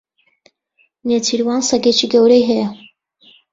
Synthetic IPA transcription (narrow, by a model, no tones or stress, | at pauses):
net̪ʰiɾwɑːnsɐɡet͡ʃʰiɡɐwɾɛjɦɛja